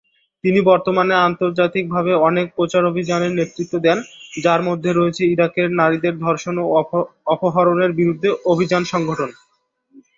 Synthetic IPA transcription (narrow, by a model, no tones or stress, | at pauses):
t̪inibɔɾt̪omaneant̪oɾd͡ʑat̪ik̚bʱabeɔnek̚pɾot͡ɕaɾobʱid͡ʑaneɾnet̪ɾit̪ːod̪ɛnd͡ʑaɾmod̪ʱːeɾoet͡ɕʰeiɾakeɾnaɾid̪eɾd̪ʱɔɾʃonoɔpoɦaɾoneɾbiɾud̪ʱːeʔobʱid͡ʑanʃɔŋɡʱoʈʰon